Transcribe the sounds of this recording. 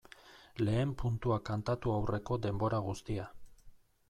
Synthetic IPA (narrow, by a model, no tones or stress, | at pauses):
le̞ːmpunt̪uakant̪at̪uawre̞ko̞d̪e̞mbo̞ɾaɣ̞ust̪ia